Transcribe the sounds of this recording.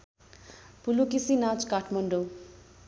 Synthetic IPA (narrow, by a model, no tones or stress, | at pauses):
pulukisinat͡skaʈʰmʌɳɖo